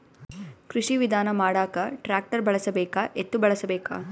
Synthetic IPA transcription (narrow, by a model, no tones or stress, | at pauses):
kɾiʂiʋid̪ʱaːnɐmaːɽaːkɐʈɾaːk̚ʈɐɾbɐɭɐsɐbɛːkaʔet̪ːubɐɭɐsɐbɛːka̰ː